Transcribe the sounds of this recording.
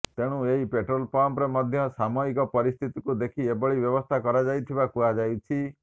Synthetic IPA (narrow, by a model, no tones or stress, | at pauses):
t̪eɽ̃ũeɦipeʈɾolpɔmpɾemɔd̪ʱjɔsamɔikɔpɔɾist̪ʰit̪ikud̪ekʰiebɔɭibjɔbɔst̪ʰakɔɾad͡ʒajt̪ʰibakuad͡ʒajt͡ʃʰi